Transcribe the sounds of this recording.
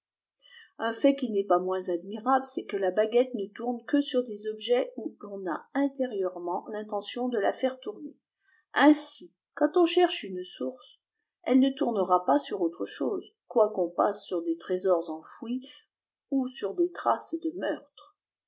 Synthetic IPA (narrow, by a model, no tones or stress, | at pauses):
ɛ̃fɛkʲinɛpamwɛ̃zad̪miʁabləsɛkəlabaɡʲɛt̪nət̪uʁnkəsyʁd̪ezɔbʒɛulɔ̃na̰ɛ̃t̪eʁjœʁmɑ̃lɛ̃t̪ɑ̃sjɔ̃d̪əla̰fɛʁt̪uʁne | ɛ̃si | kɑ̃t̪ɔ̃ʃɛʁʃynsuʁs | ɛlnət̪uʁnəʁapasyʁot̪χəʃoːzkwakɔ̃pasːyʁd̪et̪χezɔʁzɑ̃fwi | usyʁd̪et̪χasd̪əmœʁt̪χ